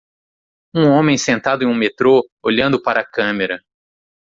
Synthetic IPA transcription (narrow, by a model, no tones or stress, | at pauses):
ũõmẽj̃sẽnt̪ad̪ʊẽũmet̪ɾooʎɐ̃nd̪ʊpaɾɐːkɐ̃meɾɐ